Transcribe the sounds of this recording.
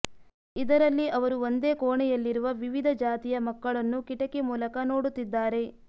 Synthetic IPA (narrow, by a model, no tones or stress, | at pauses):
id̪ɐɾɐlːiʔɐʋɐɾuo̞nd̪e̞ːkoːɳɛjɐlːiɾuʋɐʋiʋid̪ʱɐd͡ʒaːt̪ijɐmɐkːɐɭɐnːukiʈɐkemuːlɐkɐno̞ːɽut̪ːid̪ːaːɾe̞